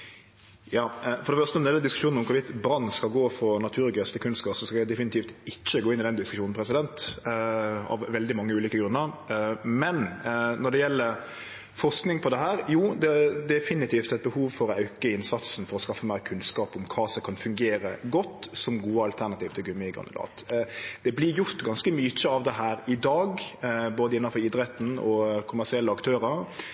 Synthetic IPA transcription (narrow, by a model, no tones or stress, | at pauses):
jɑːfɔɾd̪ɛfœɾst̪ənɔd̪jɛlːəd̪ɪskʉʃuːnɔmkʰʊʋɪt̪bɾɑnːskɑlɡoːfɔnɑt̪ʰʉːɾɡøːst̪ɪkʰʉnskɑːsɔskɑæd̪ɛfɪnɪt̪ʰiːft̪ɪt͡ʃːəɡoːɪnɪd̪ɛnd̪ɪskʉʃuːnn̩pʰɾɛsɪd̪ɛnt̪ | ɑ̰ʋʋɛld̪ɪmɑŋːəʉːliːkəɡɾʉnːəɾmɛnnɔd̪ɛjɛlːəɾ | fɔʁsknɪŋpʰɔd̪ɛɦæːɾjuːd̪ɛd̪ɛfɪnɪt̪ʰiːft̪æɪt̪̚bəhuːʋfɔɾɑʉkəɪnsɑt̪sn̩fɔɾɔskɑfːəmæɪɾkʰʉnskɑːpɔmkʰɑːsɔkʰɑnfʉŋɡeːɾəɡɔt̪ːsɔmɡuːəɑlt̪ʰæɾnɑt̪iːʋt̪ʰɪlɡʉmːəɪɡɑ̰nd̪əlɑ̰ːt̪d̪̥ɛblɪɾjʊɾt̪ɡɑnskəmyt͡ʃəɑʋd̪ɛɦæːɾɪd̪ɑːɡboːd̪əɪnːɑfɔɾɪd̪ɾɛt̪ːn̩ɔ̰kʰʊmæʁsɪɛlːəɑkt̪ʰøːɾəɾ